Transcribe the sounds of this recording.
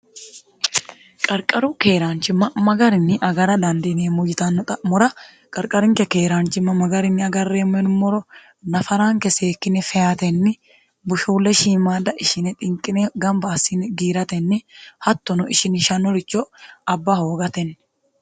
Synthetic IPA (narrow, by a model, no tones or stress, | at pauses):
kʼɐɾkʼɐɾuke̞ːɾaːnt͡ʃɪmːɐmɐɡɐɾɪnːɪʔɐɡɐɾɐd̪ɐnd̪ɪneːmʊjɪt̪ɐnːɔt̪ʼɐmɔɾɐ | kʼɐɾkʼɐɾɪŋkɛkeːɾaːnt͡ʃɪmːɐmɐɡɐɾɪnːɪɐɡɐrːeːmɛnmɔɾɔ | nɐfɐɾaːŋkɛseːkːɪnɛfɛjat̪ɛnːɪ | bʊʃuːlːɛʃiːmaːd̪ɐʔɪʃɪnɛt̪ʼɪŋkʼɪnɛɡɐmbaːsinɛɡiːɾɐt̪ɛnːɪhɐt̪ːɔnɔʔɪʃɪnɪʃɐnːɔɾɪt͡ʃːɔɐbːahoːɡɐt̪ɛnː